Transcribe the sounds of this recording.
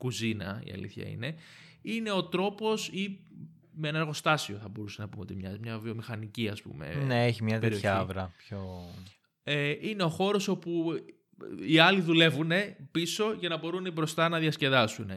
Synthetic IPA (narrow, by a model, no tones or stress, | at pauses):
kuzinɐ̰ḭɐ̰lḭθçɐ̰ḭne̞ | ine̞o̞t̪ɾo̞po̞si | meenɐɾɣo̞st̪ɐsio̞θɐbo̞ɾusenɐpumeo̞t̪imɲɐmɲɐvio̞mixɐniciɐspṵme̞̰nneeçimɲɐt̪eeɾioçɐɐvɾɐpço | eʔine̞o̞xo̞ɾo̞so̞pu | iɐliðule̞vune̞piso̞ʝɐnɐbo̞ɾunebɾo̞st̪ɐnɐðiɐsce̞ðɐsune